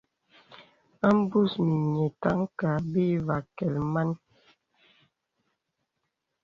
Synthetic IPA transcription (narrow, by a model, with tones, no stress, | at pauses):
a˦m˦bu˦˨smi˨ɲe˨ta˨˦ŋ˦ka˨bi˦va˨kɛ˨lma˦n